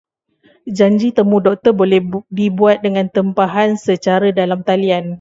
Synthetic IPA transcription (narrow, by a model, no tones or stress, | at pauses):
d͡ʒaɲd͡ʒit̪əmũdɔk̚t̪ərbolɛhdibuat̪̚dəŋãnt̪əmpaɦansət͡ʃaɾədalamt̪alian